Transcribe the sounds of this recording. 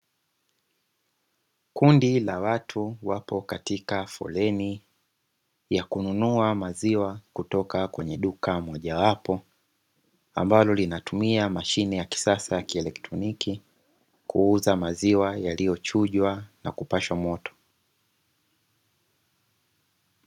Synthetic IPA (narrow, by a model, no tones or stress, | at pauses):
kundilawatʰuwapɔkatikafɔ̰lɛni | jakununuamaziwakutɔkakwɛɲɛɗukamɔʄawapɔ | a̰mbalɔlinatumiamaʃinɛjaki̥sasajakiɛlɛktɾɔniki | kʰuuzamaziwajalijɔt͡ʃuʄwana̰kupaʃwamɔtʰɔ̥